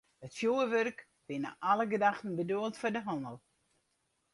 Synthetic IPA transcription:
hətfjoːəʋørk | b̥ɪnə̰ʔaləɡədaxtən̩bəduəlˠtfʊdəɦɔndəlˠ

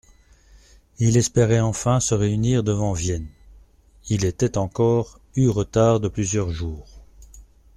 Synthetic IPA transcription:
ilɛspeʁɛɑ̃fɛ̃səʁeyniːʁd̪əvɑ̃vjɛn | ilet̪ɛt̪ɑ̃kɔːʁ | yʁət̪aʁd̪əplyzjœʁʒuːʁ

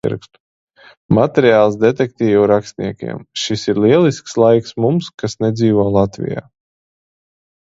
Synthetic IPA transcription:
ḭɾkst̪u̥ | mat̪ʲɛɾiaːlˠsd̪et̪ɛk̚t̪ʲiːvuɾakst̪ʲnʲiɛkʲḭɛmʃisiɾliɛlˠiskslˠajksmumskasnɛd̪ziːvɔːlˠat̪vḭja̰ː

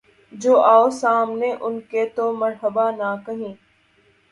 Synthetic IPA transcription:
d͡ʒoːʔaːosaːmneʔʊnket̪oməɾɦəbanakɐɦĩː

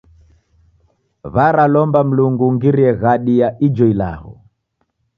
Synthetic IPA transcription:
βaɾalɔmbam̩luŋɡuŋɡiɾiɛɣaɗijaʔid͡ʒɔila̰hɔ̰

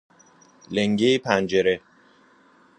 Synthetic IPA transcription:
leŋɡeipʰænd͡ʒeɾe

